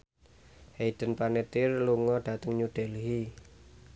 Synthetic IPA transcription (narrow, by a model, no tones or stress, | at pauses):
heid̪̥ə̤npanet̪ɪrluŋɔɖ̥ä̤t̪əŋɲuɖ̥ɛ̤lɦi